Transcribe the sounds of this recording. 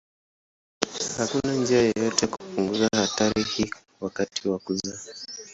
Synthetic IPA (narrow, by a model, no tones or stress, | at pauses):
hakunand͡ʒiajɔjɔtɛkupuŋɡuzahataɾihi | wakatʰiwakuza